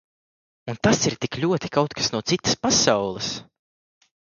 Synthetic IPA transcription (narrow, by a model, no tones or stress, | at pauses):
unt̪asiɾt̪iklʲuɔt̪i̥kawt̪kḁsnuɔt̪sit̪ɐ̥spasawlˠɨs